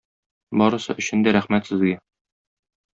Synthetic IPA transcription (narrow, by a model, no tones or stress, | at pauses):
bɒɾɤ̆sɤ̰ʔɵ̆ɕɘ̆nd̪æɾæχmæt̪sɘ̆zɡæ